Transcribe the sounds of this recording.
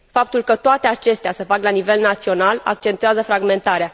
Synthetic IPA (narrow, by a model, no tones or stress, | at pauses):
fap̚t̪ulkət̪oat̪e̞at͡ʃe̞st̪easəfaklanive̞lnat̪sio̞nala̰k̚t͡ʃe̞nt̪ueazəfɾaɡme̞nt̪aɾea